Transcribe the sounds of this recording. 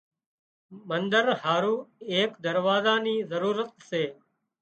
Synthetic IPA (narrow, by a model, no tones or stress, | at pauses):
mənd̪əɾhaːɾuːeːkd̪əɾʋaːzaːniːzəɾuːɾət̪̚seː